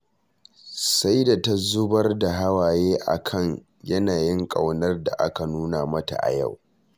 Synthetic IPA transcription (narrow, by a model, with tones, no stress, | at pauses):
sa˦jda˨tɐ˦zʊ˦bɐ˦rda˨ɦa˦waː˨jeː˦ʔa̰˨kʰɐ˦ɲ | jɐ˦naː˨jɪ˦ŋkʼa˨wnɐ˦rda̰˨ʔa̰˦ka˨nuː˦na˨mɐ˦ta̰˨ʔa̰˨ja̰˦˨w